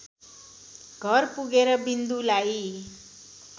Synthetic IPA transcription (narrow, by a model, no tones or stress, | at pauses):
ɡʱʌrpuɡeɾʌbind̪ulaj